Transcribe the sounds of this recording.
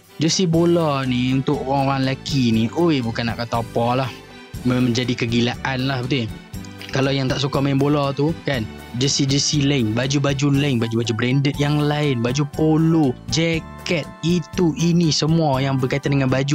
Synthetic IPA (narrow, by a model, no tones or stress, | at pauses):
d͡ʒəsibolɔniunt̪ʊkʔoɣaŋoɾaŋlakiniʔojbukanːa̰ʔkət̪ɔpɔlah | mməɲd͡ʒadikəɡilaʔanlahbət̪i | kalawjaŋt̪aʔs̬ukamaɛmbolɔt̪ukan | d͡ʒəsid͡ʒəsilaɪŋbad͡ʒubad͡ʒulaɪŋbad͡ʒubad͡ʒubɾɛndət̪̚jaŋlaɪnbad͡ʒupolod͡ʒɛkɛt̪̚it̪uʔinisəmuajaŋbərkait̪andəŋanbad͡ʒu